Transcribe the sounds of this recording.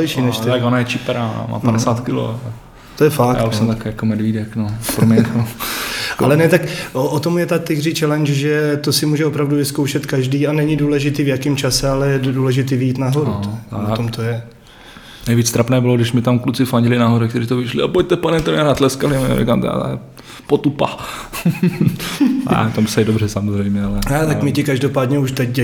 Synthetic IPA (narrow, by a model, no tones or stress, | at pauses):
ɛjʃiːnɛʃt̪ɪakonajɛt͡ʃɪpɛɾa̰ma̰ːpadɛsaːt̪kɪlo̰ | t̪ojɛfakjaːuʃsɛmt̪akijakomɛdvidɛknopɾomɲɛt̪o | alɛnɛt̪akʔoʔot̪o̞mjɛt̪at̪ɪɡrit͡ʃɛlɛnt͡ʃʒɛt̪o̞sɪmuːʒɛopɾavduvɪskowʃɛt̪kaʒdiːanɛɲɪduːlɛʒɪt̪iːvjakɪmt͡ʃasɛalɛjɛduːlɛʒɪt̪iːvjiːt̪naɦo̞ɾut̪onat̪omt̪ojɛ | nɛjviːt͡st̪ɾapnɛːbɪloɡdɪʃmɪt̪amklut͡sɪfaɲɟɪlɪnaɦoɾɛkt̪ɛɾiːt̪ovɪʃlɪapoc̚t̪ɛpanɛmt̪omɛɾaːt̪lɛskalɪm̰ɾḭkaːmt̪ɛ̰ɾa̰t̪a̰ | pot̪upa̰ | t̪omsɛdobrɛsamozrɛjmɲɛalɛnɛt̪akmɪcɪkaʒdo̞paːdɲɛuʃt̪ɛcɛ